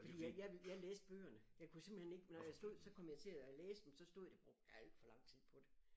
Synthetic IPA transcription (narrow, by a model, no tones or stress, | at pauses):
fɒ̽dḭːjjɑʋjɑ̈leːsd̥̚b̥ø̰ːɐnəjɑ̈ɪkʰuse̝mb̥l̩hene̝ɡ̥nɒjɑ̈sd̥o̝ð̞̰ˠsɒ̽kʰɒ̽m̰jɑ̈ɪt͡sʰe̝æleːsd̥emsɒ̽sd̥o̝ð̞̰ˠd̥eb̥ʁɔɡ̥̚d̥jɑæld̥fɒ̽lɑ̈ŋ̰t͡sʰið̞̰ˠpʰɒ̽d̥e